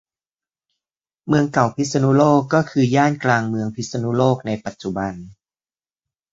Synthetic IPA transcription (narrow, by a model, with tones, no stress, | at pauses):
mɯ˧əŋka˨˩wpʰi˦˥sa˧nu˦˥loː˥˩kːɔː˥˩kʰɯː˧jaː˥˩nklaː˧ŋmɯ˧əŋpʰi˦˥t̪̚sa˧nu˦˥loː˥˩k̚na˧jpa˨˩t̪̚t͡ɕu˨˩ba˧n